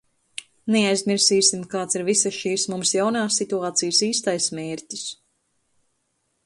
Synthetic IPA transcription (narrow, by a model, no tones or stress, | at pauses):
nɛajzmiɾsiːsimkaːt̪siɾvisaʃiːsmumsjawnaːsːit̪uaːt̪sijsiːst̪ajsmɛːɾt̪ʲis